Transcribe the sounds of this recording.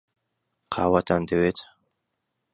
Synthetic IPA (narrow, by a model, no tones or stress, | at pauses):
qʰa̰ːwat̪ʰand̪ewet̪